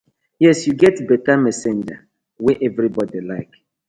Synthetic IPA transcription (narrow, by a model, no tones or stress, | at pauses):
jɛsjuɡɛtbɛtamɛsẽnd͡ʒa̰ | wɛʔɛvɾibɔdilaɪk